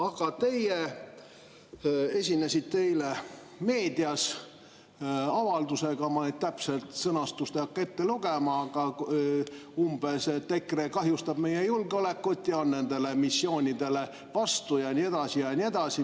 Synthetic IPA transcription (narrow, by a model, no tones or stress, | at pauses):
ɑɡ̥ɑt̪e̞je | e̞sʲinːesʲit̪t̪ːe̞jle̞ | me̞ːd̪̥iɑs | ɑvɑld̪use̞ɡ̥ɑmɑnet̪t̪æpse̞lt̪sɤnɑst̪ust̪eɑkːe̞t̪ːe̞luɡ̥emɑɡ̥ɑ | umb̥e̞set̪e̞krekɑɦjust̪ɑb̥me̞jejulɡeo̞le̞kːut̪ːˑjɑonːe̞nd̪e̞le̞misːjo̞ːnʲid̪̥e̞le̞ | vɑst̪ujɑnʲie̞d̪ɑsijɑnʲie̞d̪̥ɑsi